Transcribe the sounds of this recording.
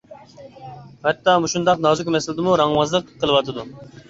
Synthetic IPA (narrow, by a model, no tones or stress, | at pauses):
hɛt̪ːɑmuʃund̪ɑqnɑzukʰʲymɛsɪlɪd̪ɪmuɾɑŋwɑzlˠəqʰːəlˠɨwɑt̪ʰɨd̪u